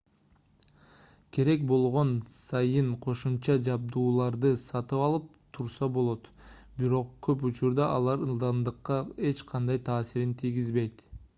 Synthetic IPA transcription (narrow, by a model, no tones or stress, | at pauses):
kʰe̞ɾe̞k̚bo̞lˠʁo̞nsɑjɯɴqʰo̞ʃumt͡ʃɑd͡ʒɑb̚d̪uːlˠɑɾd̪ɯsɑt̪ɯpɑlˠɯp̚t̪ʰuɾsɑbolˠo̞t̪biɾo̞qkʰøput͡ʃuɾd̪ɑʔɑlˠɑɾɯlˠd̪ɑmd̪ɯqːɑe̞t͡ʃqʰɑnd̪ɑjt̪ʰɑːsiɾint̪ʰijɡizbe̞jt̪